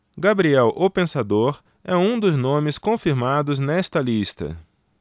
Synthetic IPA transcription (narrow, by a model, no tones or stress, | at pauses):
ɡabɾiɛwʔopẽsad̪oɾ | ɛũd̪ʊznõmɪskõfiɾmad̪ʊznɛst̪ɐlist̪ɐ̰